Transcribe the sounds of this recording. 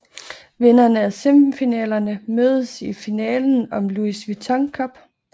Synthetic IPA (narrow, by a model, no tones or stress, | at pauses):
ʋenɐnəæsemfinɛ̰ːlɐnəmøːð̞ˠəsifinɛ̰ːln̩ɒ̽mluisʋit͡sʰɒŋkʰɒ̽b̥